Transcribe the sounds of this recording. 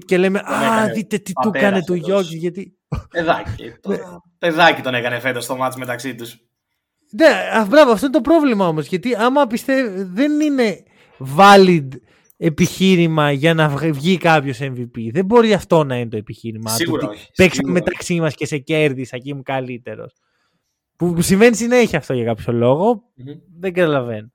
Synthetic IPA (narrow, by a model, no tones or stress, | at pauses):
ce̞leme̞ʔɐðit̪e̞t̪it̪ukɐnnet̪uʝo̞cizʝɐt̪i | ðɐḭe | peðɐcit̪o̞nekɐnefet̪ost̪omɐt̪izmet̪ɐksit̪us | ne̞ɐbɾɐvoɐft̪oinet̪opɾovlimɐo̞mo̞zʝɐt̪iɐmɐpist̪evðenine̞ | vɐlid̪ | epiçiɾimɐʝɐnɐvvʝikɐpço̞se̞ɱvipiðe̞mbo̞ɾiɐft̪o̞nɐinet̪oe̞piçiɾimɐiut̪ipekssɐmme̞t̪ɐksimɐsce̞se̞ce̞ɾðisɐcimukɐlit̪e̞ɾo̞̰s | pusiɱve̞nisineeçiɐft̪o̞ʝɐkɐpço̞lo̞ɣo̞ | ðeɡɐt̪ɐlɐve̞no